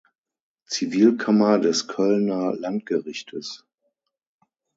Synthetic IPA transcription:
t͡siviːlkʰamɐdɛskʰœlnɐlant̚ɡ̥əʁɪçtʰəs

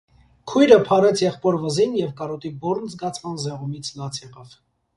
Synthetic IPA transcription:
kʰujɾəpʰɑɾɛt͡sʰjɛχpɔɾvəzinjɛvkɑɾɔt̪ibɔɾnzɡɑt͡sʰmɑnzɛʁumit͡sʰlɑt͡sʰjɛʁɑv

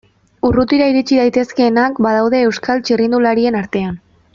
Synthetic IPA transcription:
urut̪iɾaiɾit͡ʃiðajt̪e̞ske̞ːnakbað̞awðe̞ːwskalt͡ʃirind̪ulaɾie̞naɾt̪e̞an

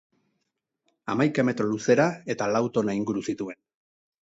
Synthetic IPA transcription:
a̰majkame̞t̪ɾo̞luse̞ɾae̞t̪alawt̪o̞naiŋɡuɾusit̪ue̞n

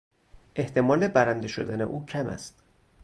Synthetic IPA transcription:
ʔe̞ht̪ʰe̞mɒːle̞bæɾænd̪e̞ʃo̞̰d̪æne̞̰ʔuːcʰæmæ̰st̪

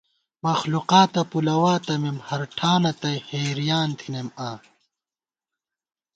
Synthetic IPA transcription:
mɐxluqaːt̪ɐpulɐwaːt̪ɐmimhɐɾʈʰaːnɐt̪ɐjheːɾijaːnt̪ʰinemaː

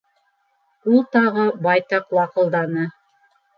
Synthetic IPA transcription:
ulˠt̪ɑʁɤbɑjt̪ɑqwɑqɤ̆lˠd̪ɑnɤ

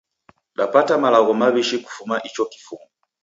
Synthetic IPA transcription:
ɗapatamalaɣɔmaβiʃiku̥fumaʔit͡ʃɔki̥fumɔ

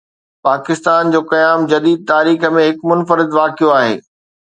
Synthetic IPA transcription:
paːkɪst̪aːnd͡ʑoːkɐjaːmd͡ʑɐd̪iːd̪̚t̪aːɾiːxə̆mẽɦɪkmʊnfəɾɪd̪ʋaːkijoaːɦḛː

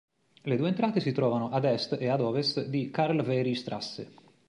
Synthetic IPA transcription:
led̪uːeːnt̪ɾaːt̪esit̪ɾɔːvanoʔad̪ɛst̪ead̪ɔːvest̪d̪ikaɾlvɛɾist̪ɾa̰sːḛ

